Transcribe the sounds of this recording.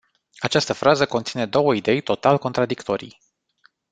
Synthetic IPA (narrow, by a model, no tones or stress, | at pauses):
at͡ʃast̪əfɾʔazəko̞nt̪sine̞d̪o̞wəid̪e̞jt̪o̞t̪alko̞nt̪ɾad̪ikt̪o̞ɾḭj